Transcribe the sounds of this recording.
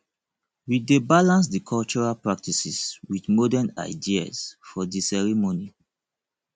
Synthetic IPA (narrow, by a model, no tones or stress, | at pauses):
widebalãns̬dikʰɔlt͡ʃɔɹalpɹak̚tisiswidmɔdɛna̰ɪdia̰sfɔdisɛɹimoni